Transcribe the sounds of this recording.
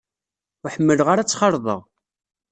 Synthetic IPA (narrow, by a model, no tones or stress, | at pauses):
ʊħəmːəlʁaɾæt͡sːχɑɾˤðˤə̰ʁ